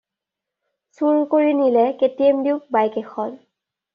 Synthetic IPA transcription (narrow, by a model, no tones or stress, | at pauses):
suɹkoɹinilɛketiɛmdiʊk̚bajkɛxʰɔl